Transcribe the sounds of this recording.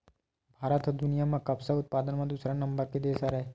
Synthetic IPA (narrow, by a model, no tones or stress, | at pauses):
bʱaːɾət̪ɦɔd̪ʊnijamẽkɐbsaʊt̪̚paːd̪ənmẽd̪usɾanɐ̃mbəɾked̪eːsaɾɐɦe